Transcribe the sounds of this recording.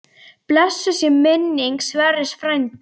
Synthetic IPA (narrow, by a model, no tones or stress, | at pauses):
plɛsːʏsjɛmɪnːiŋksvɛɾɪsfɾajnt̪